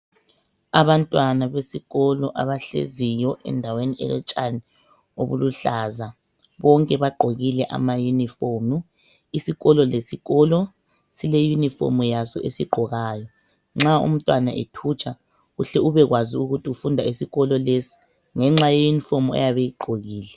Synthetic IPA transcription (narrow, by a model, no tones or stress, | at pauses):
aβantʼwanaβesiɣɔlɔʔaβaɬḛzijɔʔɛ̰ndʱaweniɛ̰lɛ̰t͡ʃʼani | o̰βuluɬaːza | βɔŋkʼɛβaɡ͡ǃʱoɣilɛʔa̰majunifomu | isiɣɔlɔlesiɣɔlɔ | silejunifo̰mujasɔ̰ʔesiɡ͡ǃʱɔɣaːjɔ | ŋ͡ǁaṵm̩tʼwana̰ʔetʰut͡ʃʼa | ɣuɬɛuβɛɣwaziuɣutʰiufundʱaisiɣɔlɔlesi̥ | ŋɛŋ͡ǁajɔjunifomua̰jaβejiɡ͡ǃʱoɣiːlɛ